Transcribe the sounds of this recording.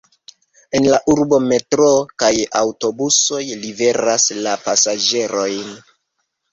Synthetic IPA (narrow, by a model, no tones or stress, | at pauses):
e̞nlaʔuɾbo̞me̞tɾokajawto̞buso̞jlive̞ɾaslapasad͡ʒe̞ɾo̞jn